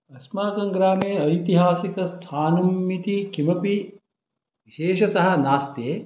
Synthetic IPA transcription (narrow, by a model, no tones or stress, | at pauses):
ɐsmaːkɐŋɡɾaːmeːɐjt̪iɦaːsikɐst̪ʰaːnɐmːit̪ikʰimɐpi | ʋiʃeːʃɐt̪ɐɦɐ̆naːst̪eː